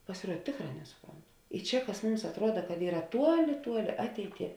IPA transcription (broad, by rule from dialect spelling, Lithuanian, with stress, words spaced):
pɐsʲɪˈruɔt ˈtʲeːkˌrɑː ˈnʲæːsʊˌproːnt ɪ ˈt͡ʃʲɛ kɐs ˈmʊms ɐtˈruɔdɐ kɐt ˈiːrɐ ˈtuɔˌlʲɪ ˈtuɔˌlʲɪ ˈɑːtʲɛɪˌtʲiɛ